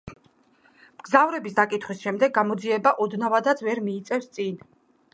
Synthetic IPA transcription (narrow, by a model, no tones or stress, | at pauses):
mɡ̥zavɾɛbisd̪akʼit̪ʰχwisʃɛmd̪ɛɡːamɔd̪ziɛbaʔɔd̪navad̪at̪sʰvɛɾmiːt̪sʼɛfst̪sʼin